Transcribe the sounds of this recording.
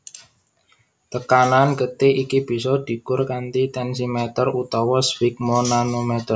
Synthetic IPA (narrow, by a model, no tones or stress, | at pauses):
t̪əkanankət̪eʔikib̥i̤sɔd̪̥i̤kʊrkant̪it̪ɛnsimɛt̪ərut̪ɔwɔswik̚mɔnanumɛt̪ər